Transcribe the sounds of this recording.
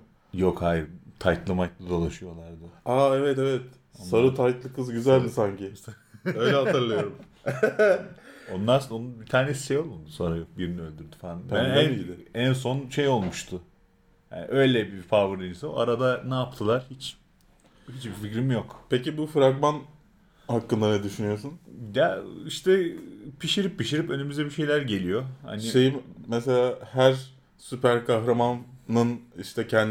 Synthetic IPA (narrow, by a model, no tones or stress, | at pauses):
jo̞khajiɾt̪ʰajt̪lˠɯmajt̪ˠad̪o̞lˠaʃɯjo̞lˠaɾd̪ɯaːɛvɛt̪ɛvɛt̪ | onsaɾɯt̪ʰajt̪lˠɯkʰːɯzɟyzælʲd̪isaɲcɪ | øjlʲɛɦaɯɾlˠajoɾum | o̞nlˠaɾsononubit̪ʰaːnesi̥ʃejo̞lˠund̪so̞nɾajokbiɾiniø̞lʲd̪yɾd̪y̥faanbæænd̪æns̬o̞nʃejo̞lˠmuʃt̪ʰʊ | ja̰nḭʔø̞jlʲɛbiɾfavɯɾinsɯo̰a̰ɾad̪anaːp̚t̪ʰɯlˠaɾ̥hit͡ʃ | hit͡ʃbiɾficɾimjokpʰecibufɯɾaɡman | hakːɯnd̪aɾnɯd̪yʃynyjo̞sunjaiʃt̪ʰɛpʰiʃiɾipʰːiʃiɾipø̞nymyzd̪ɛbiʃe̞jlʲæɾɟe̞lʲijo̞ha̰niʃe̞jimːɛselʲaːhæɾ | sypʰæɾkʰaxɾamanːɯniʃt̪ʰɛcʰɛnd̪